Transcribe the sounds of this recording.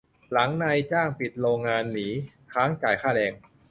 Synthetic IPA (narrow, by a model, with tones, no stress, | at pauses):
la˩˦ŋna˧jt͡ɕaː˥˩ŋpi˨˩t̪̚ɾoː˧ŋːaː˧nːiː˩˦ | kʰaː˦˥ŋt͡ɕaː˨˩jkʰaː˥˩lɛː˧ŋ